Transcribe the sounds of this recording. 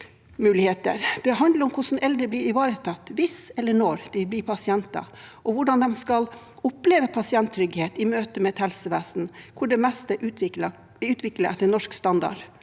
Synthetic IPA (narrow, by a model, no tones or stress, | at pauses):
mʉːlɪheːt̪ə̰ɾd̪̥ɛɦɑnd̪ləɾɔmkʰʊʂn̩ʔɛld̪ɾəblɪɾɪʋɑːɾət̪ʰɑt̪ːʋɪsɛlːəɳɔɾd̪̥ɪblɪɾpʰɑsɪɛnt̪ɑ̰ʔɔʋʊɖɑnd̪ɛmskɑl | ʊpleːʋəpʰɑsɪɛnt̪ʰːɾʏɡheːt̪ɪmøːt̪əmɛɛt̪hɛlsəʋæːsn̩kʰʊɖɛmɛst̪əʔʉlɑ | ʋɪʉːt̪ʋɪkləɛt̪ːənɔʂkst̪ɑnd̪ɑ̰ɖ